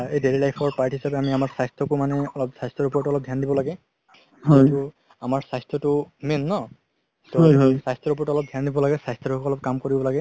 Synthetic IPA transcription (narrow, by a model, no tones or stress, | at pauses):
edeɹilajpʰɔɹpaɹtʰiɦisapɛamiamaɹsajstɹɔkʊmanɛɔlɔp̚sajstɹɔɹupɔɹɔtɔlɔp̚dʱjandibɔlaɡɛ | hɔjtʊ | amaɹsajstɹɔtʊmenːɔ | tɔsajstɔɹupɔɹɔtɔlɔp̚dʱjandibɔlaɡɛsajstɔtkuɔlɔp̚kamkoɹibɔlaɡɛ